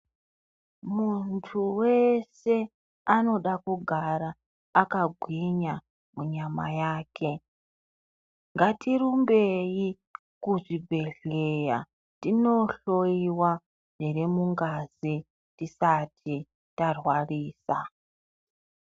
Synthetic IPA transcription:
muntʰuwese̞ | ano̞ɗakuɡʱaɾaː | kaɡʱwiɲa | muɲama̰jaːkʰe̞ | ŋɡatirumbe̞i | kuʐibʱe̞ɮeja | tino̞ɬo̞iwa | ʐiremuŋɡazi | tisatʰi | tarwariːsa

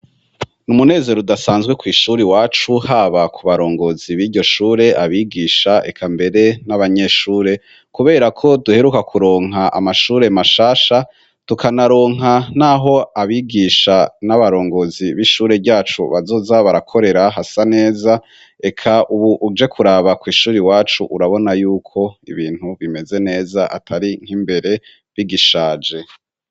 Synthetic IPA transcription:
numune̞ːze̞ɾodasaːnzɡwe̞kwiːʃuːɾiwaːt͡ʃuhaːβakʰuβaɾo̞ːŋɡo̞ziβiːɾɟo̞ʃuːɾe̞ʔaβiɡiːʃae̞̰kʰambe̞ɾe̞naβaɲe̞ːʃuːɾe̞ | kuβe̞ːɾakʰo̞duhe̞ɾukakʰuɾo̞ːŋ̥ɦaʔa̰maʃuːɾe̞maʃaːʃa | tukanaɾo̞ːŋanaːɦo̞aβiɡiʃanaβaɾo̞ːŋɡo̞ziβiʃuːɾe̞bɟaːt͡ʃṵβazo̞ːzaβaɾakʰo̞ɾe̞ɾaɦasane̞ːza | e̞kʰaʔuβuʔːd͡ʒe̞kʰuɾaːβakwiːʃuːɾiwaːt͡ʃuʔuɾaβo̞najuːkʰo̞ḭβiːn̥huβime̞ze̞ne̞ːzaʔa̰tʰaɾiŋ̥imbe̞ɾe̞ | βiɡiʃaːd͡ʒe̞

